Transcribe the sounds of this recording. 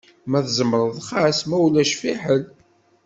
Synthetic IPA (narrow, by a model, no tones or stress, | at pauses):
mæθzəməɾˤəðˤχæsmæwlæʃfiħəl